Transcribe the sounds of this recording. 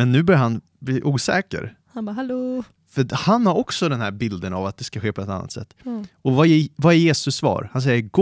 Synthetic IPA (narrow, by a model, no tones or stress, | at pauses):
ɛnːʉ̟ːbœɾjhan | bliːʔuːsɛ̰ːkə̰ɾ | h | fœhanhaɾɔksɔd̪ɛnhæɾbɪld̪əna̰vat̪̚d̪ɛskaɧeːpʰɔɛt̪a̰nːa̰t̪sɛ̰t̪ːɔvaɛvaæɾjeːsɵsːvɑ̰ːɾhans̬ɛjːəɡ